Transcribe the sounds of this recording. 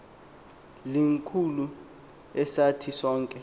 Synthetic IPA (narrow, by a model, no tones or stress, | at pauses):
liŋkʰulu | ɛsatʰisɔːŋkʼɛ